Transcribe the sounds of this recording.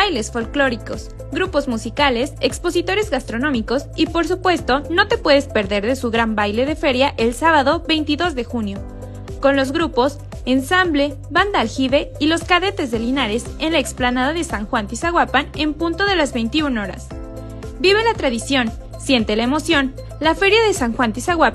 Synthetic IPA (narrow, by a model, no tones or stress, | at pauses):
bajle̞sfo̞lklo̞ɾiko̞s | ɡɾupo̞zmusikale̞sekspo̞sit̪o̞ɾe̞zɣast̪ɾo̞nõmiko̞sipo̞ɾs̬upwe̞st̪o̞no̞t̪e̞pwe̞ðespe̞ɾðe̞ɾðe̞suɣɾambajle̞ð̞e̞fe̞ɾjaʔe̞lsaβaðo̞βe̞jnt̪iðo̞zðe̞xunjo̞ | ko̞nlo̞zɣɾupo̞s | ensamble̞ | βand̪aːlxiβe̞ilo̞skaðe̞t̪e̞zðe̞linaɾe̞se̞nlaeksplanaðaðe̞saŋxwant̪isaɣwapane̞mpunt̪o̞ðe̞lazβe̞jnt̪iuno̞ɾa̰s | biβe̞lat̪ɾaðisjo̞n | sje̞nt̪e̞laemo̞sjo̞n | lafe̞ɾjaðe̞saŋxwant̪isaɣwapa